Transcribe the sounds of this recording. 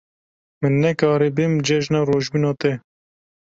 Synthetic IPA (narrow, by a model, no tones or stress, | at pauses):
mɨnːɛkɑːɾibɪmd͡ʒɛʒnɑːɾoːʒbinɑːt̪ɛ